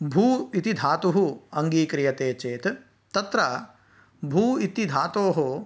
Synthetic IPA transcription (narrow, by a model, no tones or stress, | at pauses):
bʱuːit̪id̪ʱaːt̪uɦuɐŋɡiːkɾijɐt̪eːt͡ʃeːt̪ | t̪ɐt̪ɾɐ | bʱuːit̪id̪ʱaːt̪oːɦo